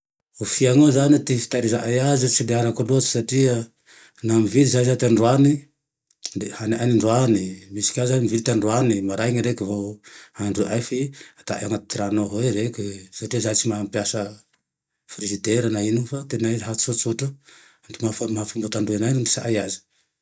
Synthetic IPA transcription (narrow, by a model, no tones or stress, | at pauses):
ufiaŋozanit̪ifi̥t̪aɾizaʔajazit͡sild̪eaɾakaluat͡si̥saʈ͡ʂiə | namivilizaizat̪eaɳɖ͡ʐuani | d̪ehaniʔaniɳɖ͡ʐuanimisi̥kʲazanimivilit̪anɖ͡ʐuanimaɾajŋiɾekivoaɳɖ͡ʐuʔajfiat̪a̰ʔaŋat̪iɾanoɦoeɾekʲisaʈ͡ʂiazait͡simampjasə | fɾizit̪eɾanainifat̪enajɦasut̪suʈ͡ʂu | aɳdumafomafumbat̪aɳɖ͡ʐuanajnund̪i̥sa̰ʔajazi̥